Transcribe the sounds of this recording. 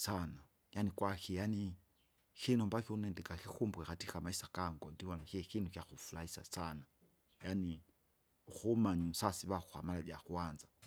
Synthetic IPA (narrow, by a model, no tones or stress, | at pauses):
sana | janikwaxijani | xinɔmbakiunɛndɛkaxixumbuɛxatixamaisakaŋɡɔndiwanaxiɛxinukjaxufulaisa̰sana | jani | uxumaɲusasiβaxuha̰malaɗjaxuanza